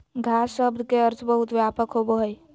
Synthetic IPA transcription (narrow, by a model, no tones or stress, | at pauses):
ɡʱasəbd̪ʱkeəɾt͡ʃbəɦut̪ʋjapəkɦoboɦəj